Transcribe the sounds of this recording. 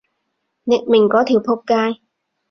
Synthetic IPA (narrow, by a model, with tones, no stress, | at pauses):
nɛ˨˧˩t̚mi˨˩ŋkɔː˨˦t̪ʰi˨˩˦wpʰo˧p̚kaː˧j